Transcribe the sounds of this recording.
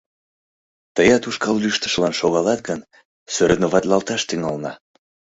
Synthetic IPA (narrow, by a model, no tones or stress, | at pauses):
t̪əjɑt̪uʃkɑlːyʃt̪ə̥ʃlɑnʃoɣɑlɑt̪̚ɡən | søɾənoβɑt̪lɑlt̪ɑʃt̪yŋɑlnɑ